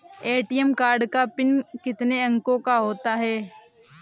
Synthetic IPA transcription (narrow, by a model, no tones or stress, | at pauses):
eːʈijəmkaːɾɖkapɪnkɪt̪neɐ̃ŋkõkaɦoːt̪aɦɛː